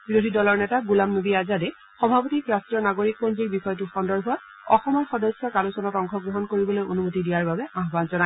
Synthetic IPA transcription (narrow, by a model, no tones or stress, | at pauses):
biɹodʱidɔlɔɹnɛtaɡulamnobiazadɛ | xɔbʱapotikɹastɹiɔnaɡoɹik̚ponziɹbixɔjɔtʊxɔndɔɹbʱɔt | ɔxɔmɔɹxɔdɔsjɔkalusɔnɔtɔŋkʰɔɡɹɔɦɔnkoɹibɔlojonumotidijaɹbabɛʔaɦbanzɔna